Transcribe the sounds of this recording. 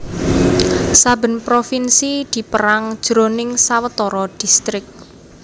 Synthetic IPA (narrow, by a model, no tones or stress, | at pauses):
sabə̤npɾofinsid̪̥i̤pəɾaŋd̥ʒ̥ɾo̤nɪŋsawət̪ɔɾɔd̪̥ist̪ɾɪk̚t